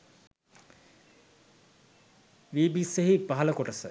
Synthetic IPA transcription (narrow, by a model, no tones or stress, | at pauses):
ʋiːbiseɦipaɦɐləkoʈəsə